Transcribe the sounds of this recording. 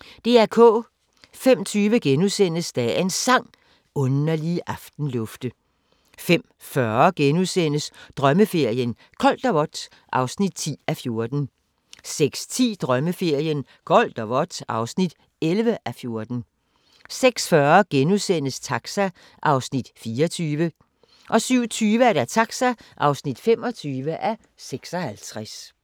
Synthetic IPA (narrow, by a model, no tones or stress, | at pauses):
d̥e̝ːæɐkʰɔ̰ː | fem̰t͡sʰyːʋəɡ̥enusen̰əsd̥ɛ̰e̝nsɑ̈ŋ̰ | ɔ̽nɐliʔɑ̈fd̥n̩lɔ̽fd̥ə | fem̰ | fɶɐɡ̥enusen̰əsd̥ʁɶməfe̝ɐ̰jən | kʰɒ̽l̰d̥ɐʋɒ̽d̥s | ʔɑ̈ʊsnid̥̚t͡sʰḭːæfjo̝ɐd̥n̩ | seɡ̥st͡sʰḭːd̥ʁɶməfe̝ɐ̰jən | kʰɒl̰d̥ɒʋɒd̥ɑ̈ʊsnid̥ | elʋəʔæfjo̝ɐd̥n̩ | seɡ̥sfɶɐɡ̥enuðˠsen̰əst͡sʰɑ̈ɡ̥sæ | ʔɑ̈ʊsnid̥fiːɐt͡sʰyːʋə | ʔɒ̽syʊ̰t͡sʰyːʋəæɐɾ̥æt͡sʰɑ̈ɡ̥sæʔɑ̈ʊsnid̥femɒ̽t͡sʰyːʋəʔæ | seɡ̥sɒhælt͡sʰʁas